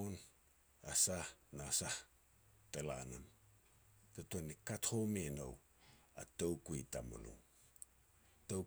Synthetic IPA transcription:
on | asahnasah | tela̰nam | tatuanikathomeno̰w | a̰towkuita̰mṵlṵ | tow

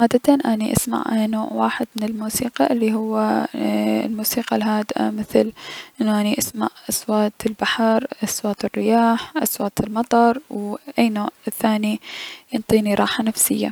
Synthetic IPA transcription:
ʕaːd̪at̪anʔaniʔa̰sma̰ʕnoːʕwaːħɪd̪mɪnɪlmuːsiːqɑʔɪlːiɦʊwːa̰ | lmuːsiːqalɦaːd̪ʔa̰mɪθlʔɪnːuʔaniʔasma̰ʕʔaswaːt̪ɪlbaħɑɾʔaswaːt̪ɪrːɪjaːħʔaswaːt̪ɪlmɑt̪ˤɑɾˤwʔajnoːʕθːaːnijɨnt̪ˤiːniɾˤɑːħanafsɪjːa̰

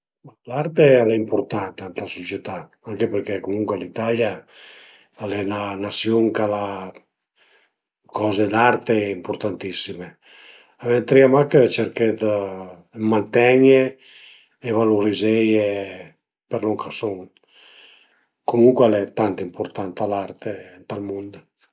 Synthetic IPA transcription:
alaɾt̪ealɛimpoɾt̪ant̪ant̪lasot͡ʃjet̪a | aŋkepeɾkɛkomuŋkwealit̪alja | alɛnanasjoŋkala | kʰɔːzed̪art̪eimpoɾt̪ant̪isime | avɛnt̪ɾiamakət͡ʃeɾked̪ə | mːant̪ɛɲe | evaluɾizeje | peɾloŋkʰasoŋ | komuŋkwalɛt̪ant̪impoɾt̪ant̪alart̪ent̪almund̪

